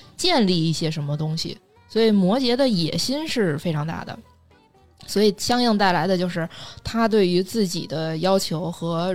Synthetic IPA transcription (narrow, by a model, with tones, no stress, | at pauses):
t͡ɕjɛ˥˧nli˥˧i˥˩ɕjɛ˥ʂə˧˥nmə˧t̪ʊ˥ŋɕḭ˨˩ | swɔ˧˥i˨˩mwɔ˧˥t͡ɕjɛ˧˥d̪ə˧jɛ˨˩ɕi˥nʂɻ̩˥˩fe˥ɪʈ͡ʂʰɑ˧˥ŋt̪a̰˥˩d̪ə̰˩ | swɔ˧˥i˨˩ɕjɑ˥ŋjɤ˥˧ŋt̪a˥˩ɪla˧˥ɪd̪ə˧t͡ɕjo˥˧ʊʂɻ̩˥˩t̪ʰa˥t̪̬we˥˩ɪy˧˥t͡sɹ̩˥˩t͡ɕḭ˨˩d̪ə˦jɑ˥ʊt͡ɕʰjo˧˥ʊxɤ˧˥